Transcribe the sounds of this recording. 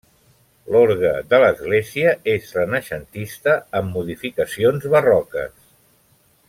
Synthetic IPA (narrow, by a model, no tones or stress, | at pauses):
loɾɣə̰ðələzɣleziəezrənəʃənt̪ist̪əəmːuðifikəsionzβərɔkə̰s